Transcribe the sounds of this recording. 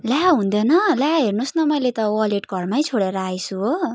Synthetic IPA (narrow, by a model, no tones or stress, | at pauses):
laɦũnd̪ʌnʌlaɦernusnʌmʌjlet̪ʌwʌleʈɡʱʌrmajt͡sʰoɽeɾʌajsʰuo